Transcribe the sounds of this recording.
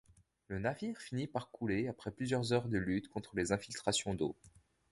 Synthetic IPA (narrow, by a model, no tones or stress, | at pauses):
lənaviʁfinipaʁkʰuleapχɛplyzjœʁzœʁd̪əlyt̪kɔ̃t̪χəlezɛ̃filt̪χasjɔ̃d̪o